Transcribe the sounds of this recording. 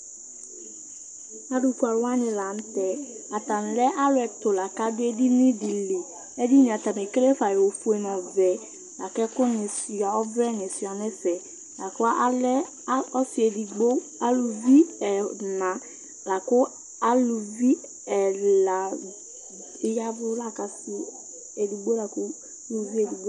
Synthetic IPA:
a˦du˨ku˨˦a˨ɾwa˦nɪ̃˨la˨n̩˦tɛ˦ | a˨ta˨n˨lɛ˦ʔa˦lʊ˦ɛ˨tʊ˨la˨ka˦dʊ˦ɛ˦di˦nɪ̃˦di˨le˨ | ɛ˦di˦nɪ̃˨a˨ta˨me˨ke˦le˦fa˨jɛ˨o˨fu˦ɛ˨n˨ɔ̃˨vɛ˨ | la˨kɛ˦kʊ˦nɪ̃˨si˨a˨ɔ˦vɾɛ˦nɪ̃˨si˨a˨nɛ̃˦sɛ˨ | la˨kʊ˦a˦ʔa˦lɛ˦ | ɔ˦sɪ˨ɛ˨di˨ɡ͡bo˦ | a˦lu˨vi˦ɛ˨nã˨ | la˨kʊ˦ | a˦lʊ˨vi˦ | ɛ˨la˨ | ɪ˦ja˦vʊ˦la˦ka˨si˦ | e˨di˨ɡ͡bo˦la˨kʊ˦ | lu˨vi˦e˨di˨ɡ͡bo˦

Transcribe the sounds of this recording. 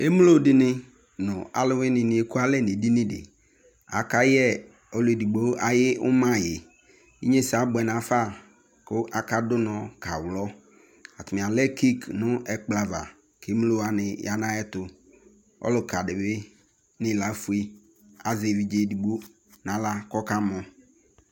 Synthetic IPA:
e˦m˦lo˦˨dɪ˦nɪ˦ | nʊ̃˨a̰˨lʊ˦wɪ˦nɪ̃˨nɪ̃˨˦e˦ku˦a˦lɛ˦˨nɪ˨di˦nɪ̃˦dɪ̰˨ | a̰˨ka˦jɛ˦ | ɔ˦le˨di˨ɡ͡bo˦a˨jɪ˦ʊ̰˦mã˦˨jɪ˨ | ḭ˦ɲe˦sa˨˦bɛ˨n˨ã˨fa˦˨ | kʊ˦ʔa˨ka˦dʊ˦n˨ɔ˨ka˨wlɔ˦ | a˨tʊ˨mɪ˨a˨lɛ˦ki˦knʊ̃˦ɛ˨k͡pla˨va̰˨ | ke˨˦m˦lo˦a˨nɪ̃˨ja˨nã˦ɛ˦tʊ˨ | ɔ̰˦lʊ˨ka˨dɪ˨bɪ˦ | nɪ̃˦la˨˦fu˦e˦ | a˨ze˨vi˨d͡ʒe˦˨di˨ɡ͡bo˦ | nã˨la˦kɔ˦ka˦mɔ̃˨

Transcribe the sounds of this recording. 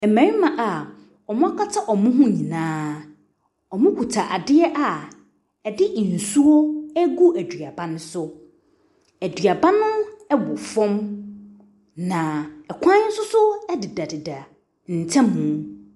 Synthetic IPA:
ɛ˨mæ̃˨ɾi˦mã˨ʔa˨ | ɔ˨mʊ̃˦a˦kʰa˦tʰa˦ʔɔ˨mũ˦ɦʊ̃˦ɲĩ˨nãː˦ | ɔ˨mʊ̃˦kʷʰu˨tʰa˨ʔa˨dɪ˦ɛ˦ʔa˨ | ɛ˨dɪ˦ʔn̩˨su˦o˦æ˦ɡu˦ʔæ˨dɥa˨bã˦nʊ̃˦sʊ˦ | æ˨dɥa˨bã˦nʊ̃˦ɛ˦bʊ˨fɔ̃˦m | nã˨ɛ˨kʷʰã˦n̩˦sʊ˦sʊ˦ɛ˦dɪ˨da˨dɪ˨da˨ | n̩˨tʰɛ̃˦mːũ˨˦

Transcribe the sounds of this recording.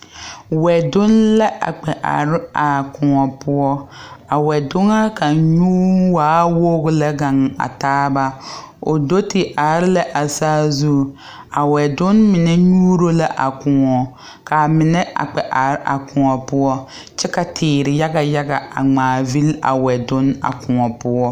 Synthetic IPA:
wɛ˨dʊ˦nla˦ʔa̰˨k͡pɛ˨ʔa̰˨ɾɪ˦a˨kʊ˨ŋɔ˨pʊ˦ɔ˦a˨wɛ˨dʊ˦ŋa˦ka˨ɲu˦waː˦wo˦ɣʊ˦la˦ɡa˨ŋa̰˨taː˦ba˦ | o˨do˦tɪ˨ʔa˨ɾɪ˦la˦ʔa˨saː˦zu˦˨ | a˨wɛ˨dʊ˦nmɪ˨nɛ˦ɲuː˦ɾo˦la˦ʔa˨kʊ˨ŋɔ˨ | ka˨mɪ˨nɛ˦ʔa̰˨k͡pɛ˨ʔa˨ɾa̰˨kʊ̃˨ŋɔ˨pʊ˦ɔ˦ | t͡ʃɛ˦ka˨tʰɪː˨ɾɪ˨ja˦ɡa˨ja˦ɡa˨a̰˨ŋ͡maː˨vi˦la̰˨wɛ˨dʊ˦na̰˨kʊ˨ŋɔ˨pʊ˦ɔ˦

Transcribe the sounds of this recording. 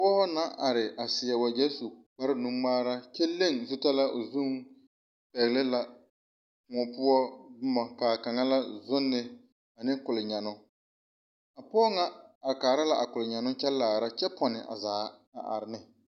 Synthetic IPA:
wɔ˦hɔ˦na˦ʔa˨ɾɪ˨ʔa˨sɪ˨ɛ˨wa˨d͡ʒɛ˦su˨k͡pa˦ɾɪ˦nu˦maː˦ɾa˦t͡ʃɛ˦le˦˨ŋzʊ˦ta˦la˦ʔo˨zu˦ŋ | pɛ˨ɣlɪ˦la˨ | ŋɔ˨pʊ˦ɔ˦dʊ˦mɔ˨ka˨ka˨ŋa˦la˦zʊ˦nːɪ˨ | a˨nɪ˦kʊ˨lɪ˨ɲa˨nʊ˦ | a˨pɔː˦ŋa˦a˨kaː˨ɾa˦la˦˨ʔa˨kʊ˨lɪ˨ɲa˨nʊ˦t͡ʃɛ˦laː˨ɾa˦t͡ʃɛ˦pʰɔ˨nɪ˨ʔa̰˨zaː˨˦ | a̰˨ʔa̰˨ɾɪ˨nɪ˦

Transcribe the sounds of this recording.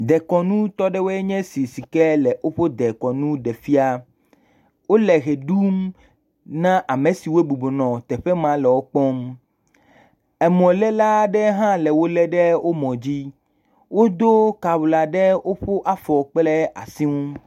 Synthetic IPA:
d̪ɛ˨kɔ˨nũ˦t̪ɔ˦ɖɛ˦wo˦ɛ˦ɲɛ̃˦si˨si˨kɛ˦lɛ˨ʔo˦ɸo˦d̪ɛ˨kɔ˨nũ˦ɖɛ˨fi˦a˦ | wo˦lɛ˨ɣe˨ɖu˦m | nã˦ʔa˨mẽ˨si˨we˦bu˨bo˨nɔ̃˨t̪ɛ˨ɸɛ˦mã˦lɛ˨wo˦k͡pɔ˦m | ɛ˨mɔ̃˨lɛ˦la˦ɖɛ˦ɦã˦lɛ˨wo˦lɛ˦ɖɛ˦wo˦mɔ̃˨d͡ʑi˦ | wo˦d̪o˦ka˨wla˨ɖɛ˦wo˦ɸo˦ʔa˦˨fɔ˨k͡plɛ˦a̰˨si˦ŋũ˦

